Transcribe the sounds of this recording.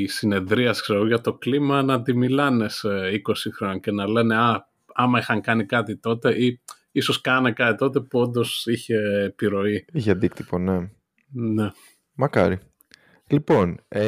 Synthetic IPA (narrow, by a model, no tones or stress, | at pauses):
sine̞ðɾiɐskse̞ɣoʝɐt̪o̞klimɐnɐd̪imilɐne̞seiko̞sixɾonɐce̞nɐle̞ne̞ɐ | ɐmɐixɐŋkɐnikɐt̪it̪o̞t̪e̞ʔi | iso̞skɐnekɐt̪it̪o̞t̪̬e̞puo̞nd̪o̞siçe̞ːpiɾo̞iiçeɐnd̪ikt̪ipo̞ne̞ | ne | mɐkɐɾi | lipo̞n